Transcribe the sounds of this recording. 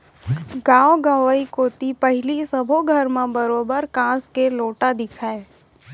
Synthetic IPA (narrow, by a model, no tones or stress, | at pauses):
ɡãːwoɡãːʋəikoːt̪ipəɦɪlisəbʱoɡʱəɾmẽbəɾoːbəɾkãːskeloːʈad̪ɪkʰae